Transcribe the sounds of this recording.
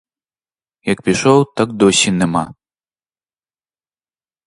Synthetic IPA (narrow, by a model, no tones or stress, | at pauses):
jɐk̚pʲiʃɔwt̪akd̪ɔsʲinɛma̰